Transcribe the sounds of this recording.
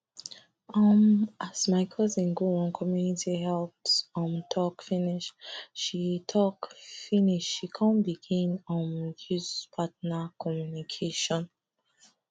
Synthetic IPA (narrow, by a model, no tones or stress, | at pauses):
ɔmasmaɪkʰɔzĩnɡoɔ̃nkʰɔmjunitihɛlfsɔ̃mtʰɔkfiniʃʃitʰɔkfiniʃʃikʰɔ̃mbiɡĩnɔ̃nhuspʰatnakʰɔmjunikʰeʃɔ̃n